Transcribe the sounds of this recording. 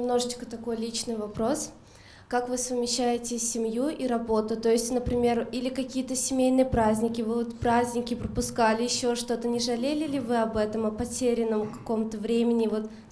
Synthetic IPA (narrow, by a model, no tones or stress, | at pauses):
ɪmno̞ʐɨt͡ɕkə̥t̪ɐko̞jlʲit͡ɕnɨjvɐpɾo̞s | kakvɨsəvmʲɪɕːæjɪtʲɪsʲɪmjuʔiɾɐbo̞t̪ʊt̪o̞jɪsʲtʲnəpɾʲɪmʲe̞rilʲɪkɐkʲijət̪əsʲɪmʲejnɨjəpɾazʲnʲɪkʲɪvɨot̪pɾazʲnʲɪkʲɪpɾəpʊskalʲɪjɪɕːo̞ʂt̪o̞t̪ənʲɪʐɐlʲelʲɪlʲɪvɨɐbɛt̪əmɐpɐtʲeɾʲɪnːəmkɐ̥ko̞mt̪əvɾʲemʲɪnʲɪvo̞t̪